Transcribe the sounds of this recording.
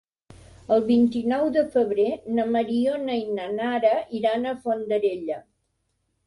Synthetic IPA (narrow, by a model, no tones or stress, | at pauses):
əlˠβint̪inɔwðəfəβɾenəməɾionəinənaɾəʔiɾanəfond̪əɾeʎə